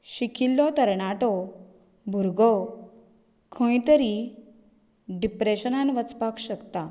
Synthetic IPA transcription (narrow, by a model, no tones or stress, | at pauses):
ɕikʰilːɔt̪əɾɳaʈɔ | bʱuɾɡɔ | kʰə̃jt̪əɾi | ɖipɾeɕənãnʋət͡spakɕəkt̪a